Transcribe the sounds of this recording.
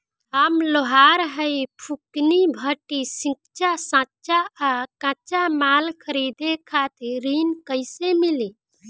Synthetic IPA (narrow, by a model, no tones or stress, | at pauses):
amloɦaɾɦəjpʰuknibʱəʈisĩk̚t͡ʃasãt͡ʃaakãt͡ʃamalkʰəɾid̪ekʰat̪ʰeɾinkəɪsemili